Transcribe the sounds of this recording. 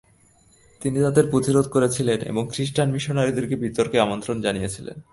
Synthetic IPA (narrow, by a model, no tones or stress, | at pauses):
t̪init̪ad̪eɾpɾot̪iɾod̪ʱkoɾet͡ɕʰilenḛboŋkɾiʃʈanmiʃonaɾid̪eɾkebit̪oɾkeamont̪ɾond͡ʑanijet͡ɕʰilḛn